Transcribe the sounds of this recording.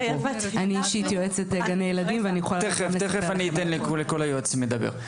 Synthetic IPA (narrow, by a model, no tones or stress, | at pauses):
aniiʃit̪joet͡set̪eɡanejelad̪imveanijuχoalt̪eχefeteχefaniit̪enlekuleko̞lajoet͡smed̪abḛ